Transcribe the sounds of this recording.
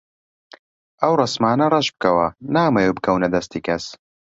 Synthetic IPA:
ʔɐwrɐsmaːnɐrˤɐʃb̚kɐwɐnaːmɐjuːbɨkʰɐwnɐd̪ɐst̪iːkʰɐs

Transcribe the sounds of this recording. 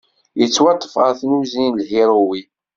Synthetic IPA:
jət͡sːwɑt̪ˤːə̥fʁəɾθnuzinlhiɾˤuwi

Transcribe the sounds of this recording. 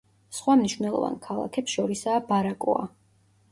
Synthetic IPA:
sχwamniʃwvnɛlˠɔ̰va̰nkʰalˠa̰kʰɛpsʃɔɾisaːbaɾakʼɔ̰a̰

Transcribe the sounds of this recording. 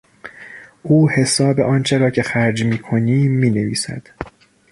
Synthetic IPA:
ʔuːhe̞sɒːbe̞̰ʔɒːnt͡ʃʰe̞ɾɒːcʰe̞xæɾd͡ʒmiːkʰo̞niːiːne̞vḭːsæ̰d̪̥

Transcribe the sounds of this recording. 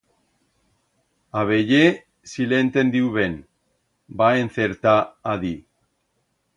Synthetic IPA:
aβe̞je | silent̪end̪iuβe̞n | baenθe̞ɾt̪aːði

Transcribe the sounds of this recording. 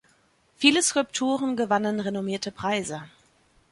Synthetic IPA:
fiːləskʁʊlptʰuːʁənɡəvanənʁenomiːɐtʰəpʁ̥aɪzə

